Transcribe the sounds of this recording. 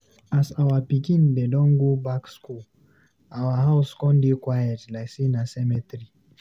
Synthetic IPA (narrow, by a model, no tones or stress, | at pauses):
asawapikindɛɗɔŋɡubaksku | awaɦauskɔ̃ndikwajɛtlasinasɛmɛtɾi